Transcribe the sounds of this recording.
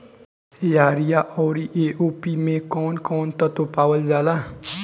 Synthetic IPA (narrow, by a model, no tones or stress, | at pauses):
jaːɾijaʔɔːɾiʔeʔoːpimẽkɔːnkɔːnt̪ɔt̪opaːwəld͡ʒaːla